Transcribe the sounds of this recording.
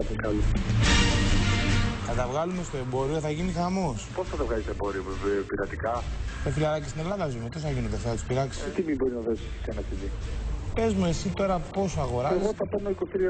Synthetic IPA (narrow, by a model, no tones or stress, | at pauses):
ɐt̪iŋkɐlu | θɐt̪ɐvɣɐlume̞st̪oe̞mbo̞ɾioθɐʝinixɐmo̞sposnɐt̪ɐvɣɐlist̪obo̞ɾiopiɾɐt̪ikɐsofilɐɾɐcist̪ine̞lɐðɐzumet̪iθɐʝinod̪eθɐt̪u̥spiɾɐksi̥it̪imibo̞ɾiznɐðo̞si̥senɐkiðipe̞zmuesit̪o̞ɾɐpo̞soɐɣo̞ɾɐsɣot̪ɐpɐnnoikost̪iɾi